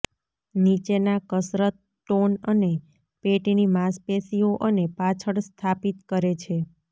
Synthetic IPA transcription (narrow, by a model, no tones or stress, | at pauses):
nit͡ʃenakəsɾət̪̚ | ʈonəne | peʈinimaspesioʔənepat͡ʃʰəɽst̪ʰapit̪kəɾet͡ʃʰe